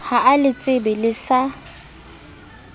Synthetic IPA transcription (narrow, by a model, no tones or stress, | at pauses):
haʔalɪt͡sʼɪbɛlɪsa